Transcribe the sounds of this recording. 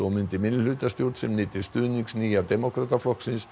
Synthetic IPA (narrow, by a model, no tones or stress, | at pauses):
ɔmʏnt̪ɪmɪnlʏlʏːt̪ast̪jowɾ̥t̪sɛmnɪːt̪ɪst̪ʏːðniŋksniːjad̪ɛmokɾat̪aflɔhksɪns